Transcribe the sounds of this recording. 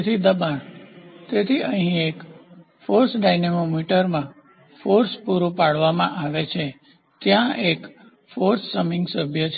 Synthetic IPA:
t̪ʰid̪əbaɳt̪et̪ʰiʔəɦĩek | foɾsɖajnemomiʈəɾmã | foɾspuɾũpaɽʋamãʔaʋet͡ʃʰe | t̪jãʔek | foɾsːəmɪŋɡsəbʱjət͡ʃʰ

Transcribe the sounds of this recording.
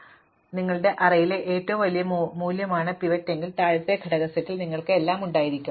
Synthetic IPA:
niŋːɐɭɨɽe̞ʔɐrɐjileʔeːtːoʋumʋɐlijɐmuːljɐmaːɳɨpiʋɐtːe̞ŋɡilt̪aːɻɨt̪ːe̞ɡʱɐɽɐɣɐsɐtːilniŋːɐɭkɨelːaːmuɳɖaːjiɾikʲːum

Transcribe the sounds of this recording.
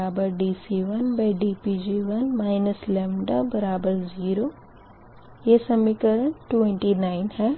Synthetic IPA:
aːbəɾɖiːsiʋɐnbeːɖiːpiːd͡ʒiʋɐnmaːɪnəslɛːmɖabɐɾaːbəɾziːɾoː | jeːsɐmikəɾəɳʈʈɛ̃ɳʈinaːɪnhɛː

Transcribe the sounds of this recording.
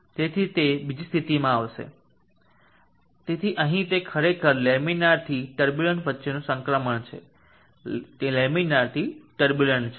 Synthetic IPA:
t̪et̪ʰit̪ebid͡ʒist̪ʰit̪imãaʋʃḛ | t̪et̪ʰiʔə̃ɦĩt̪ekʰəɾekʰəɾleminaɾt̪ʰiʈəɾbjuləɳʈʋətːʃenũsə̃ŋkɾəməɳt͡ʃʰḛ | t̪eleminaɾt̪ʰiʈəɾbjuləɳt͡ʃʰe

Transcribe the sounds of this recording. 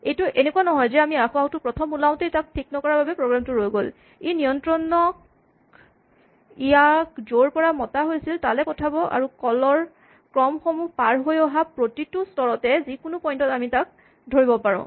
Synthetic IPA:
ejtuʔenekuwanɔɦɔjzɛamiaxɔatʊpɹɔtʰɔmulaʊ̃tejtak̚tʰiknɔkɔɹabʱabɛpɹoɡɹamtʊɹojɡol | ejnijɔntɹɔnːɔ | ijakzoɹpɔɹamɔtaɦojsiltalɛkɔtʰabɔʔa̰ɹukɔlɔɹ | kɹɔmxɔmupaɹɦojɔɦapɹotitustɔɹɔtɛzikʊnʊpɔjntɔtamitak̚ | dʱoɹibɔpaɹɔ̰̃

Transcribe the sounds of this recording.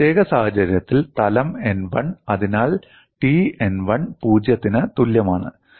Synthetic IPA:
t̪eːɣɐsaːhɐt͡ɕɐɾjɐt̪ːilt̪ɐlɐmenʋɐɳɐðinaːɭ | ʈienʋɐɳpuːd͡ʑjɐt̪ːinɨt̪uljɐmaːɳɨ̰

